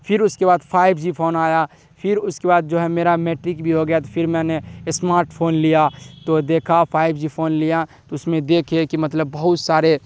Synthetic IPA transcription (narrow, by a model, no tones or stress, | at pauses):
pʰɪɾʊskebaːd̪pʰaːɪbʱd͡ʒipʰoːnaːja | pʰɪɾʊskebaːd̪̚d͡ʒoɦɛmeːɾameːʈɾɪkbʱiɦoɡəjat̪opʰɪɾmɛ̃ːnesmaːɾʈpʰoːnlijat̪od̪eːkʰapʰaːɪbd͡ʒipʰoːnlijat̪oʊsmẽd̪eːkʰekimɐt̪ləbːɐɦʊt̪saːɾe